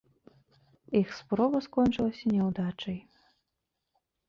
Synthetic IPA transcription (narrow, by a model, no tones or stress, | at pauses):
ixspɾɔvɐskɔnʲt͡ʂɨlˠɐsʲɐnʲɛwd̪at͡ʂɐj